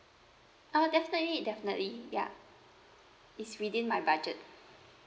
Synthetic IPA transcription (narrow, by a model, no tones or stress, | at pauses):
odɛfinətlidɛfinə̰ʔlija̰ | itswidĩnmajbad͡ʒət̚